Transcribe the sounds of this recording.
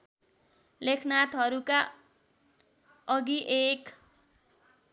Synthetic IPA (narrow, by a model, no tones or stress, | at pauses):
lekʰnat̪ɦʌɾuka | ʌɡiʔek